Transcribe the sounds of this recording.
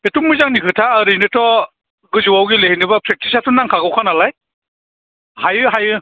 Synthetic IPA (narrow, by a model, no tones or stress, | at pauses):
etuŋmɯjzaŋnikʰɯtʰaːɾijnɯtʰɔ | ɡɯzuwawɡileɦinɯbapʰɾek̚tisatunːaŋkʰaɡɯwkʰanalaj | hajɯɦajɯ